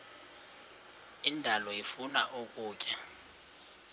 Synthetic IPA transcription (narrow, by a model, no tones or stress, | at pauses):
indʱalɔifunaʔukʼuːcʼa